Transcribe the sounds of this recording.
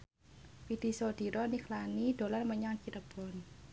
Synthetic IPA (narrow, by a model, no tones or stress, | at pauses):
fid̪̥i̤sod̪̥i̤ɾɔnikʰlanid̪̥o̤larməɲaŋkiɾəb̥ɔ̤n